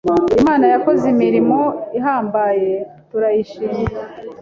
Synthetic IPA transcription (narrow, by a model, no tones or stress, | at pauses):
imaːnajako̞zimiɾimo̞iɦaːmbaːje̞tuɾajiʃiːmaa